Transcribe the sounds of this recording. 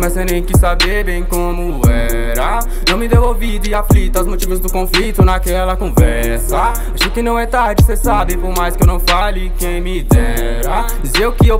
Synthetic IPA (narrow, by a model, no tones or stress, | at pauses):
majzsenẽj̃kɪsabeɾbẽj̃kõmʊ | ɛ | ɾɐ | nɐ̃w̃mɪd̪ewovid̪ʊɪaflit̪ɐazmot͡ʃivɐzd̪ʊkõflit̪ʊnakɛlɐkõvɛ | ɾsɐ | aʃekɪnɐ̃w̃ɛt̪aɾd͡ʒɪsesabẽj̃poɾmajskɪewnɐ̃w̃faʎɪkẽj̃mid̪ɛ | ɾɐ | d͡ʒizeʊkɪe